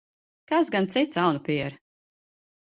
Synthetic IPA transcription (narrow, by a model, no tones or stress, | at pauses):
kasɡant̪sit̪sawnupʲiɛɾ